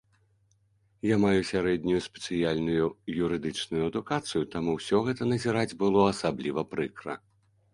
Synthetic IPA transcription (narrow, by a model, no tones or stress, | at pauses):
jamajusʲaɾɛd̪ʲnʲujuspʲɛt̪sɨjalʲnujujuɾɨd̪ɨt͡ʂnujuɐd̪ukat̪sɨjut̪amuwsʲɔɣɛt̪ɐnɐzʲiɾad͡zʲbɨlˠɔɐsablʲivɐpɾɨkɾɐ̰